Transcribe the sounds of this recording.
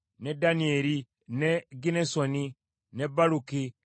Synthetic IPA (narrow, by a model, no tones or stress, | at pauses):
nedanieli | neɡinesoni | nebaɾuki